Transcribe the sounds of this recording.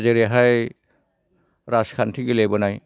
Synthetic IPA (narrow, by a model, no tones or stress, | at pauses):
zeɾeɦaj | ɾaskʰantʰiɡilebɔnaj